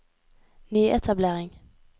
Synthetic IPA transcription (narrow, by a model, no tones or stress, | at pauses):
nyːʔɛt̪ʰableːʁɪŋ